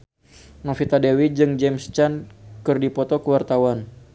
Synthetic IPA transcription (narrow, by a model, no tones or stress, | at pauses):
nɔfit̪adewid͡ʒɨŋd͡ʒɛmst͡ʃankɨrdipɔt̪ɔkəwart̪awan